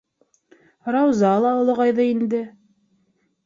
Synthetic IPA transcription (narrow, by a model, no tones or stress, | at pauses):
rɑwzɑlˠɑŏlˠɤ̆ʁɑjðɤind̪ɘ